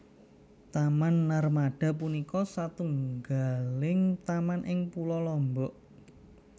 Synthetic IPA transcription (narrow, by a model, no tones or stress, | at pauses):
t̪amanːarmaɖ̥a̤punikɔsat̪uŋɡalɪŋt̪amanʔɪŋpulɔlɔmbɔʔ